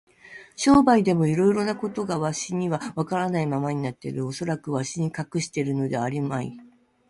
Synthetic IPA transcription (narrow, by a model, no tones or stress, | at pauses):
ɕo̞ːbaid̪e̞mo̞iɾo̞iɾo̞nako̞t̪o̞ɡaβaɕiɲ̟iβaβakaɾanaimamaɲ̟inat̪ːḛɾɯ̟o̞so̞ɾakɯ̟βaɕiɲ̟ikakɯ̟ɕi̥t̪e̞ɾɯ̟no̞d̪e̞aɾʲimaḭ